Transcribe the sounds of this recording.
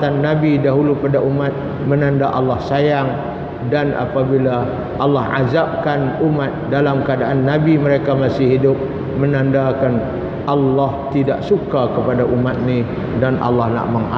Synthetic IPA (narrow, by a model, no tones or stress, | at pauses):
anːabidaɦulupadaʔumat̪̚ | mənandaʔalːahsajaŋ | danʔa̰pabila | ʔalːɑhʔa̰zap̚kanumat̪̚dalamkəadaʔanːabiməɾekamasɪhɦidʊp̚ | mənandakan | ʔɑlːaht̪ida̰ʔsukakəpadaʔumat̪̚ni | danʔɑ̰lːɑhna̰ʔməŋa